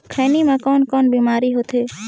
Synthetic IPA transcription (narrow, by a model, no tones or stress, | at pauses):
kʰɛːnimãkɔːnkɔːnbiːmaːɾiɦoːt̪ɦeː